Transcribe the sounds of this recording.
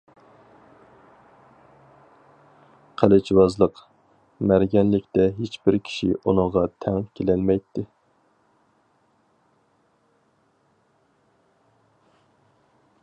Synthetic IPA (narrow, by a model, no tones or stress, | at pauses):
qʰælɪt͡ʃwɑzlˠəq | mæɾɡʲɛnlɪkʲt̪ɛɦet͡ʃbɪɾkʲʰi̥ʃḭʔunɨŋʁɑt̪ʰɛŋkʲʰelɛlmɛjt̪ʰːɪ